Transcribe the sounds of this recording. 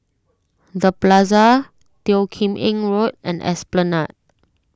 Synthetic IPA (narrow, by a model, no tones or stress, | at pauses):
dəplazə | tiʊkʰĩmʔɪ̃ŋɹot̚ɛ̰̃nɛ̰splənat̚